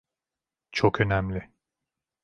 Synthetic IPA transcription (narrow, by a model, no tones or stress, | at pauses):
t͡ʃʰokø̞næmlʲɪ